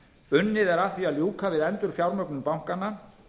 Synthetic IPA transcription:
ʏnːɪðɛɾaθialjuːkʰavɪðɛnt̪ʏɾ̥fjawɾmœknʏmpawŋkanːa

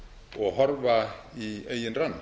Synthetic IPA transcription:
ɔɣɦɔɾvaiejɪnranː

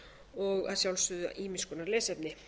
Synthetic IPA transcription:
ɔɣa̰ðsjawlst̪ʏða̰ʔiːmiskɔnaɾlɛːsɛpnɪ

